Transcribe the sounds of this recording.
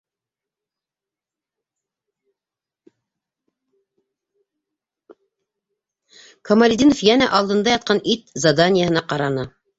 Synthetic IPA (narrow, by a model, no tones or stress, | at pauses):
kʰomalʲɪd̪ʲinofjænæʔɑlˠd̪ɤ̆nd̪ɑjɑt̪̚qɑnit̪zad̪anʲɪjəhɦɤ̆nɑqɑɾɑnɤ